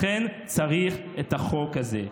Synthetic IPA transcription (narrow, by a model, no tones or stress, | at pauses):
en | t͡saʁiχ | etaχo̞kaze